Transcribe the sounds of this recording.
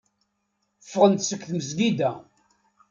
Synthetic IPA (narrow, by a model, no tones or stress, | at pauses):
fːʁənt̪səkθməzɡid̪æ